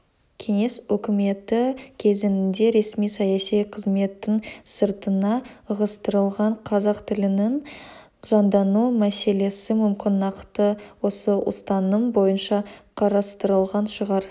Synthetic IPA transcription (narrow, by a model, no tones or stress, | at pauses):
kʲʰe̞ŋe̞swɵkʲɪme̞t̪ɪkʲʰe̞zɪnɪnd̪e̞ɾe̞smijsɑjɑsijqʰəzme̞t̪ːɪŋsəɾt̪ənɑəʁəst̪əɾəlˠʁɑɴqʰɑzɑqt̪ʰɪlɪnɪŋ | ʒɑnd̪ɑnumæse̞le̞sɪmʏmkʲʰɪnːɑqt̪əwo̞səʔʊ̰st̪ɑnəmbo̞jənʃɑqʰɑɾɑst̪əɾəlˠʁɑnʃəʁɑɾ